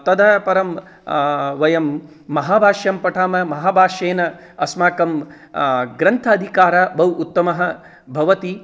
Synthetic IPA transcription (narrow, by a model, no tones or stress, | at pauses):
t̪ɐd̪ʱɐpɐɾɐm | ʋɐjɐmː | ɐɦaːbʱaːʃjɐmpɐʈʰaːmɐmɐɦaːbʱaːʃeːnɐ | ɐsmaːkɐm | ɡɾɐnt̪ʰɐːd̪ʱikaːɾɐbʱɐwut̪ːɐmɐɦɐ̆ | bʱɐʋɐt̪i